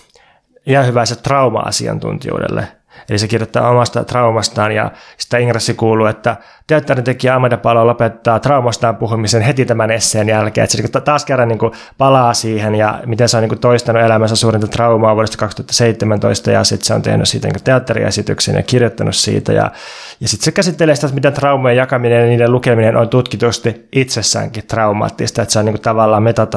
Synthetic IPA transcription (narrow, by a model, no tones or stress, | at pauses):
ihɑnhyʋæset̪rɑumɑ̰ɑ̰sḭɑ̰nt̪ṵnt̪ḭjṵːdḛlːḛ | elisekirjot̪ːɑ̰ːomɑst̪ɑ̰t̪rɑumɑst̪ɑːnjɑ̰si̥t̪ːæiŋresːikuːluːet̪ːæ | t̪eɑt̪ːɑrint̪ekiɑmːɑt̪ɑpɑlolopet̪ːɑːt̪rɑumɑst̪ɑːmpuhumiseːnhet̪it̪æmænesːeːnjælkḛːḛt̪seniŋkut̪t̪ɑːskerːɑniːŋku | pɑlɑːsiːhenjɑ̰mit̪enseoniːŋkut̪oist̪ɑnuelæmænsæssuːrint̪ɑt̪rɑumɑːʋuoɾest̪ɑ̥kɑkst̪uhɑt̪ːɑ̥seit̪ːemænt̪o̰ist̪ɑ̰jɑ̰sit̪seo̰nt̪ḛhny̰sḭːt̪ænḭːku̥t̪eɑt̪ːɑrḭḛsit̪y̰ksḛnjɑ̰kirjot̪ːɑnṵssḭːt̪æ̰jɑ̰ | jɑsit̪sekæsit̪ːeleːsit̪æt̪mit̪ent̪rɑumojejɑkɑminenjɑniːdelukeminenʔont̪ut̪kit̪ust̪iʔit̪sesːæ̰ːŋkit̪rɑumɑ̰ːt̪ːist̪ɑet̪seoniːkut̪ɑʋɑlːɑːmmet̪ɑt̪ː